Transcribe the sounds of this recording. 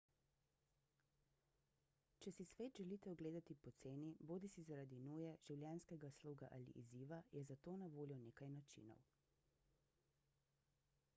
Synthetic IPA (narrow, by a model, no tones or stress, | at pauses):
t͡ʃɛsisʋeːt̪ʒɛliːt̪ɛɔɡleːd̪at̪ipɔt̪seːniboːd̪isizaɾad̪inuːjɛʒ̥iwljɛnskɛɡasluːɡa̰ʔa̰lḭʔiziːʋajɛzat̪oːnaʋoːljɔneːkajnat͡ʃḭːnɔ̰w